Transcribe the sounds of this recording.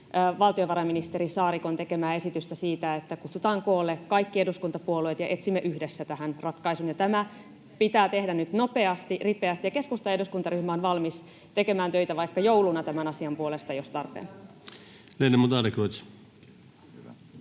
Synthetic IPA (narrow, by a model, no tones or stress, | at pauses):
ʋɑlt̪ioʋɑɾɑminist̪eɾisɑːrikont̪e̞ke̞mæːe̞sit̪yst̪æsiːt̪æet̪ːækut̪sut̪ɑːŋkoːlːekɑikːieduskunt̪ɑpuoluet̪jɑʔe̞t̪simːeʔyhdesːæt̪æhænrɑt̪kɑisunjɑt̪æmæ | pit̪æːt̪e̞hdænyt̪no̞pe̞ɑst̪iripeɑst̪ijɑke̞skust̪ɑeduskunt̪ɑryhmæonʋɑlmis | t̪e̞kemæːnt̪øit̪æʋɑikːɑjowlunɑt̪æmænɑsiɑmpuolest̪ɑjost̪ɑrpḛn | lenemut̪ɑlikot̪